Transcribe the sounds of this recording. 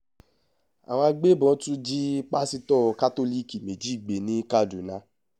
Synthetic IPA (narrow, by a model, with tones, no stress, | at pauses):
a̰˨wɔ̃˧a˧ɡ͡be˦bɔ̃˨˧˦tũ˦d͡ʒi˦k͡pa˦si˧tɔ˦˨ka˦to˦li˦ki˨me˨d͡ʒi˨˦i˦˨ɡ͡be˨nĩ˨˦ka˦˨du˨nã˧˦